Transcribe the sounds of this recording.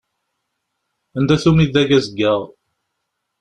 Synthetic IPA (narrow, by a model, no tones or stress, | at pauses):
ænd̪æθumiðæɡæzəɡːəʁ